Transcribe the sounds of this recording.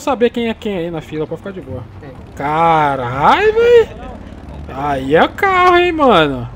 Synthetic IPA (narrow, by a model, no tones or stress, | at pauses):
sabeɐkẽj̃ɛkẽj̃ainɐfilɐpɔfi̥kad͡ʒɪboɐ | kaɾajvej | aiɛʊkahʊẽj̃mɐ̃nʊ